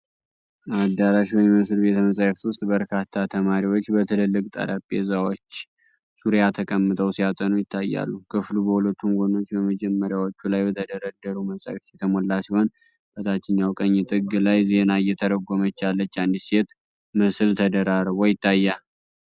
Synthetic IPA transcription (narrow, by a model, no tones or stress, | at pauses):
ad̪ːaɾaʃwɔjməsɨlbe̞t̪məsʼajft̪wʊst̪ʼbəɾkʰat̪ʰːat̪ʰəmaɾiwo̞t͡ʃːbət̪ʰɨlɨlːɨkʼt̪ʼa̰ɾapʼːḛzawot͡ʃː | suɾjat̪ʰəkʼəmːɨt̪ʰʼəwsijat̪ʼənujɪt̪ʰːajːa̰lːukʰɨflubəhulət̪ʰːunɡʷono̞t͡ʃːbəməd͡ʒɛmːəɾjawot͡ʃːulajbət̪ʰəd̪əɾəd̪ːəɾuməsʼa̰jft̪jɛt̪ʰəmolːasiho̞n | b̥ət̪ʰat͡ʃːɪɲːawkʼəɲːit̪ʼɨɡɨlajzenajːɛt̪ʰəɾəɡʷo̞mət͡ʃːalːət͡ʃːand̪ise̞t̪ | məsɨlt̪ʰəd̪əɾaɾəβojɪt̪ʰːajːa